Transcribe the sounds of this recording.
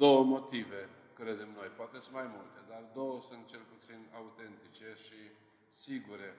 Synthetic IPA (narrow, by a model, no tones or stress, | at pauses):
d̪o̞wəmo̞t̪ive̞kɾe̞d̪e̞mno̞jpoat̪e̞smajmult̪e̞d̪ard̪o̞wəsunt̪̚t͡ʃe̞lput̪sinaut̪e̞nt̪it͡ʃe̞ʃi | siɡuɾe̞